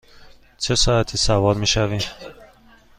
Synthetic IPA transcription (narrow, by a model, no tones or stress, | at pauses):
t͡ʃʰesɒæt̪ʰisævɒɾmiʃævim